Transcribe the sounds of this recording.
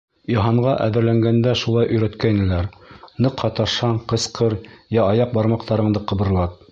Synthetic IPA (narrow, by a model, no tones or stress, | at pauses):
jɑɦɑɴɢɑʔæ̰ðɘ̆ɾlæŋɡænd̪æʃulˠɑjʔɵ̆jɾæt̪kæinɘ̆læɾnɤqhɑt̪ɑʃɑɴqɤ̆sqʰɤɾjæɑjɑq̚bɑɾmɑqt̪ɑɾɤ̆ɴd̪ɤqɤ̆βɤ̆ɾlˠɑt̪̚